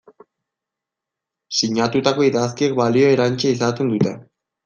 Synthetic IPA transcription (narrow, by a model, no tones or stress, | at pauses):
siɲat̪ut̪ako̞iðaskiek̚balio̞e̞ɾant͡ʃeisat̪end̪ut̪e̞